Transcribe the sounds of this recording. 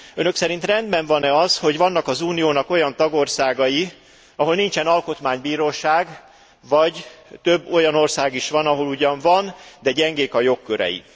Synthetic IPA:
ø̞nø̞ksɛɾint̪rɛnd̪bɛɱvɒnɛɒzho̞ɟvɒnːɒkɒzuːnijoːnɒko̞jɒnt̪ɒɡo̞rsaːɡɒji | ɒɦo̞lnint͡ʃɛnɒlko̞t̪maːɲbiːɾoːʃaːɡ | vɒɟt̪øbːo̞jɒno̞rsaːɡiʃʋɒnɒɦo̞luɟɒɱvɒnd̪ɛɟɛŋɡeːkɒjo̞kːøɾɛ̰jḭ

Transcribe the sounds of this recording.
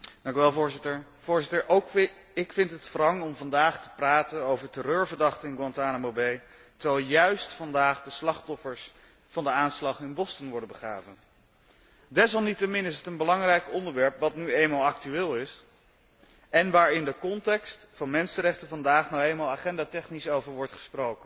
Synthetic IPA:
dɑŋkyʋɛlˠvʊːɹzɪtəɹ | v̥ʊːɹzɪtəɹʔowk | ɪkfɪntɦətfrɑŋɔmvɑndaːχtə̥praːtənowvəɹtərøːɹvəɹdɑχtənɪnɡwɑntaːnamobej | təʋɛlˠjœɥstfɑndaːχdəslɑχtɔfəɹs | fɑndəaːnslɑχɪnbɔstənʋɔɹdəbəχra̰ːvən | dɛs̬ɑlˠnitəmɪnɪs̬ətənbəlɑŋrɛjkɔndəɹʋɛɹpʋɑtnyejnmaːlˠɑk̚tyɪːlˠɪs | ɛnʋaːɹɪndəkɔntɛkstfɑnmɛnsəɾɛχtəvɑndaːχnowejnmaːlˠaːχɛndaːtɛχnisowvəɹʋɔɹtχə̥sprowkən

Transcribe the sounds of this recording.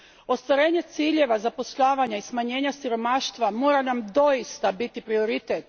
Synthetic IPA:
o̞st̪ʋaɾe̞ːɲe̞t̪siːʎe̞ʋazapo̞sʎaːʋaɲaismaɲe̞ːɲasiɾo̞maʃt̪ʋamo̞ːɾanamd̪o̞jist̪abit̪ipɾio̞ɾit̪et̪

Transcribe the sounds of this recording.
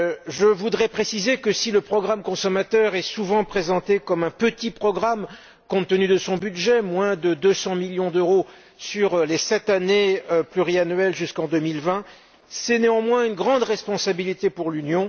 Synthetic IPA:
ʒəvud̪ʁɛpχesizekəsiləpχɔɡʁamkɔ̃sɔmat̪œʁɛsuvɑ̃pχezɑ̃t̪ekɔmɛ̃pət̪ipχɔɡʁam | kɔ̃t̪ənyd̪əsɔ̃byd̪ʒɛmwɛ̃d̪əd̪øsɑ̃miljɔ̃d̪øʁo | syʁlesɛt̪aneøplyʁianɥɛlʒyskɑ̃d̪ømilvɛ̃ | sɛneɑ̃mwɛ̃ynɡʁɑ̃d̪ʁɛspɔ̃sabilit̪epuʁlynjɔ̃

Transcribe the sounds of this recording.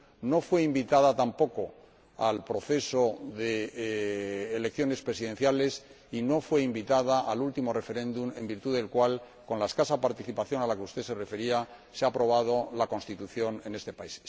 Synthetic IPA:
no̞fwe̞imbit̪að̞at̪ampo̞ko̞ | alpɾo̞θe̞so̞ðe | le̞kθjo̞ne̞spɾe̞siðe̞nθjale̞s | ino̞fwe̞imbit̪að̞aʔalult̪imo̞re̞feɾẽ̞nd̪ume̞̰mbiɾt̪uðe̞lkwal | ko̞nlae̞skasapaɾt̪iθipaθjo̞nalakeust̪e̞se̞re̞fe̞ɾia | seapɾo̞β̞að̞o̞lako̞nst̪it̪uθjo̞ne̞ne̞st̪e̞pais

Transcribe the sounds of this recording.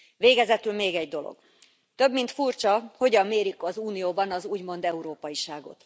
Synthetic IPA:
ʋeːɡɛzɛt̪ylmeːɡɛɟ̚d̪o̞lo̰ɡ̥ | t̪ø̞bmint̪furt͡ʃɒho̞ɟɒmːeːɾikɒzuːnijoːbɒnɒzuːɟmo̞nd̪ɛuɾoːpɒjiʃaːɡo̞̰t̪

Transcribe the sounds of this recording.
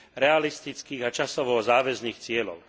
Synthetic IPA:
ɾɛalist̪it͡skiːɣat͡ʃasɔʋɔzaːʋɛzniːxt͡sɪɛlɔ̰ʊ

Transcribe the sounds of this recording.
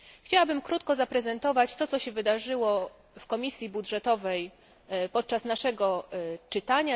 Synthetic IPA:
xt͡ɕawabɘmkɾut̪̚kɔzapɾɛzɛnt̪ɔvat͡ɕt̪ɔt̪ɔɕɛvɘd̪aʐɘwɔ | fkɔmʲisʲjibudʐɛt̪ɔvɛj | pɔt̪̚t͡ʂasnaʂɛɡɔt͡ʂɘt̪aɲa

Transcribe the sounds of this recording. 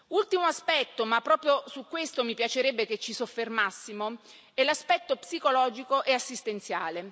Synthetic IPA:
ult̪imoaspɛt̪ːomapːɾɔːpɾjosukːwest̪omipjat͡ʃeɾɛbːeket͡ʃːisofːermasːimo | elaspɛt̪ːopsikolɔːd͡ʒikoʔeasːist̪ent̪sja̰ːle

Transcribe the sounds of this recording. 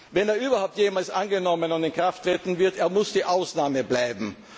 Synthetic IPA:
vɛneːɐʔyːbɐhaʊp̚tjeːmaːlsʔanɡənɔmənʊndɪnkʁ̥aftʁ̥eːtn̩vɪɐteːɐmʊsd̥iːʔaʊsnaːməblaɪbm̩

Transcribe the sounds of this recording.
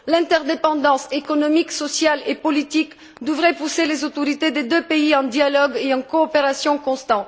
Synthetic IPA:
lɛ̃t̪ɛʁd̪epɑ̃d̪ɑ̃sekɔnɔmiksɔsjalepɔlit̪ik | d̪əvʁɛpuselezot̪ɔʁit̪ed̪ed̪øpeiɑ̃d̪jalɔɡeɑ̃kɔːpeʁasjɔ̃kɔ̃st̪ɑ̃t̪

